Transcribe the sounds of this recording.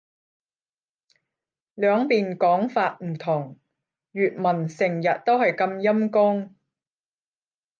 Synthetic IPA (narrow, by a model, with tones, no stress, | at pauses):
lœː˨˧ŋpiː˨nkɔː˨˥ŋfaː˧t̚m̩˨˩t̪ʰʊ˨˩ŋ | ɥyː˨t̚mɐ˨˩nsɪ˨˩ŋjɐ˨t̚t̪o˥whɐ˨jkɐ˧mjɐ˥mkʊ˥ŋ